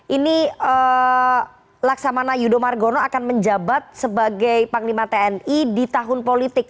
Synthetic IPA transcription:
ʔiniə | laksamanajudomarɡonoakanməɲd͡ʒabat̪̚səbaɡajpaŋlimat̪eɛnidit̪aɦʊnpolit̪ɪk̚

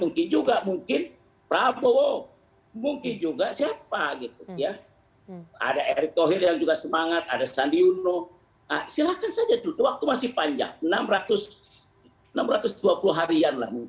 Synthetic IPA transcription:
muŋkɪnd͡ʒuɡamuŋkɪn | pɾabowo | muŋkɪnd͡ʒuɡasiapaɡit̪uja | a̰daʔeɾik̚t̪oɦɪrjaŋd͡ʒuɡasəmaŋat̪̚a̰dasandiuno | asilakansad͡ʒat̪ut̪uwak̚t̪umasɪhpaɲd͡ʒa̰ŋnamrat̪ʊs | ənamrat̪ʊsduapuluɦaɾianla̰hmuŋk

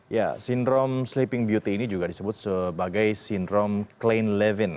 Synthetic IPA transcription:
ja̰sindɾɔmslipɪŋbjut̪iːnid͡ʒuɡadisəbʊt̪̚səbaɡajsindɾɔmklenlɛvɪn

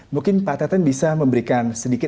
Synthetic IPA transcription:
mukɪnpat̪at̪anbisaməmbəɾikansədikɪ

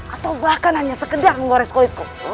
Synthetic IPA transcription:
ʔat̪aubahkanaɲasəkədaŋəŋɡoɾɛskoit̪̚ku

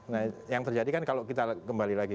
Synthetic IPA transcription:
najaŋt̪ərd͡ʒadikankalokit̪akəmbalilaɡi

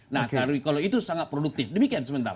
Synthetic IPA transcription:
nakaɾuikaloit̪usaŋat̪̚pɾoduk̚t̪ɪfdəmikiansəmənt̪a̰ɾa

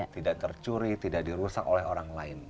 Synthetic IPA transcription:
t̪idaʔt̪ərt͡ʃuɾit̪idak̚diɾusak̚olɛɦoɾaŋlaɪn

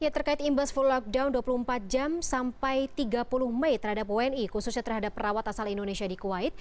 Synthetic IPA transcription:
jat̪ərkaɪt̪imbasfullɔk̚daunduapuluhəmpat̪̚d͡ʒamsampajt̪iɡapuluhmɛjt̪ərhadapoɛnikususɲat̪ərɦadapːəɾawat̪asalindonesiadikuwaɪt̪̚

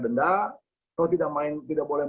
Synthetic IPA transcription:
dənda | nɔt̪idaʔ̚maɪnt̪idaʔ̚bolɛ

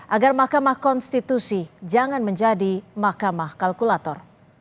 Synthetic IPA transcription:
ʔaɡarmahkamahkɔnst̪it̪usid͡ʒaŋanməɲd͡ʒadimahkamahkalkulat̪ɔr

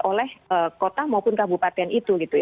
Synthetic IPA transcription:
olɛhəkot̪amaupʊnkabupat̪ɛnit̪uɡit̪uj

